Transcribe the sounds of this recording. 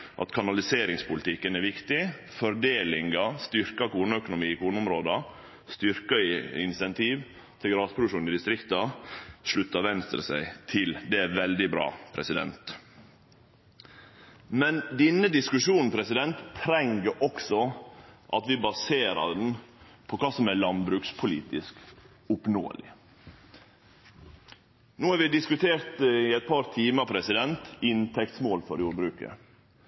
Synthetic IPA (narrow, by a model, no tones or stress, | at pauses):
ʔɑ̰t̪kʰɑnɑlɪseːɾɪŋspʊlɪt̪ʰɪkːənæɾʋɪkt̪ɪ | fɔɾd̪eːlɪŋɑst̪ʏɾkɑkuːnəœkʊnʊmiːɪkʰuːnəʊmɾoːd̪ɑ | st̪ʏɾkɑɪɪ̰nsɛnt̪ʰiːʋ | t̪ʰɪlɡɾɑːspʰɾʊʂuːnɪd̪ɪst̪ɾɪkt̪ɑʂɭʉt̪ːɑʋɛnst̪ɾə̰sæ̰ɪt̪ʰɪld̪ɛæɾʋɛld̪ɪbɾɑ̰ːpʰɾɛsɪd̪ɛ̰nt̪ | mɛnd̪ɛnːəd̪ɪskʉʂuːnn̩pʰɾɛsɪd̪ɛnt̪ʰːɾɛŋɡəɾʔɔksɔʔɑt̪ʋɪbɑseːɾɑ̰ɖ̪n̩ | pʰɔkʰɑːsɔmælɑnbɾʉːkspʰʊlḭːt̪ɪsk | ʊpno̰ːə̰lɪ̰ | noːhæːɾʋɪd̪ɪskʉt̪ʰeːɾt̪ɪɛɪt̪̚pʰɑɾt̪ʰiːməpʰɾɛsɪd̪ɛnt̪ɪnt̪ʰɛk̚t̪smoːlfɔɾjuːɾbɾʉːkə̰